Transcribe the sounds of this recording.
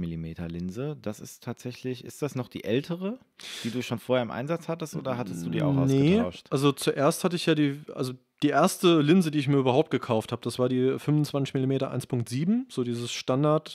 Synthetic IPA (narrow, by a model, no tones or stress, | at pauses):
mɪlimeːtɐlɪnzəd̥asɪstʰːaːtz̥ɛçlɪçɪ̰std̥asnɔχd̥ḭːʔɛltʰəʁə | d̥iːduːʃoːnfoːɐeːɐɪmʔa̰ɪnzat͡shatəstʔo̰ːdɐɦatəsd̥uːdiːʔaʊxa̰ʊnəaʊʃʃtʔalzot͡suʔeːɐsthatəɪçjaːdiːʔa̰lzo | d̥iːʔeːɐstəlɪnzədiːɪçmiːɐyːbɐhaʊp̚t̚ɡ̥əkʰaʊftʰhaːbəd̥asv̥aːɐdiːfʏmʊnt͡sv̥ant͡sɪçmɪlimeːtɐʔa̰ɪnspʰʊŋk̚tz̥iːbm̩z̥oːdiːzəsʃtandaɐt